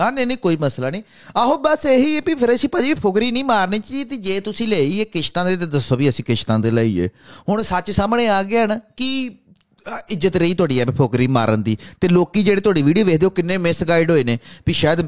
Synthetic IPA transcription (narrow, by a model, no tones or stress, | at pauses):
aːnenĩːkoːiːməslaːnĩː | əɦoːbəseːɦiːɛːpiːpʰɪɾəsĩːpəd͡ʒeːʋiːpʰʊkɾiːnĩːmaːɾniːt͡ʃːit̪eːd͡ʒeːt̪ʊsĩːleːiːeːkɪʃt̪ãːd̪eːt̪eːd̪əsõːbiːəsĩːkɪʃt̪ãːd̪eːlaːḭːḛːɦʊɳsət͡ʃsaːmɳeːaːɡɪːɦənki | ɪd͡ʒət̪ɾəiːt̪ʊaːɽiːɛːbipʰʊkɾiːma̰ːɾənd̪iːt̪eːloːkiːd͡ʒeːɽeːt̪ʊwaːɖiːʋiːɖioːʋeːd̪eːoːkɪnːeːmɪsɡaːɪɖɦoːeːneːpiːʃaːjəd̪